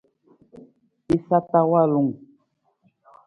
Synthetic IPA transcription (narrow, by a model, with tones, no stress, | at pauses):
i˦sa˦ta˦wa˦˨lu˨ŋ